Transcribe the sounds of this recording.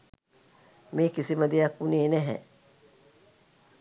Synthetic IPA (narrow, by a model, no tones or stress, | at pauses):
meːkisiməd̪ejakuneːnɛɦɛ̰